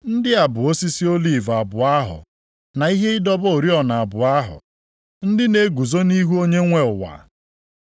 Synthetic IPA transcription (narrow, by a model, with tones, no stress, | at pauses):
n̩˦dɪ˦a˨bʊ˨o˦si˦si˦o˦li˨va˨bʊ˨a˦ɦʊ̰˨ | na˨i˦ɦe˦ɪ˦dɔ˦bo˨ɾi˦ɔ˨na˨a˨bʊ˨a˦ɦʊ̰˨ | n̩˦dɪ˦ne˨ɡu˨zo˦ni˦ɦu˦o˦ɲe˦ŋʷe˦ʊ˨wa̰˨